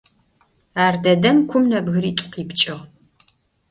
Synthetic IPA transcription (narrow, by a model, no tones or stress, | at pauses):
aːrdɐdɐmkʷʰʊmnɐbɣɨɾiːtʼʊ̥qiːpt͡ʃʼɪʁ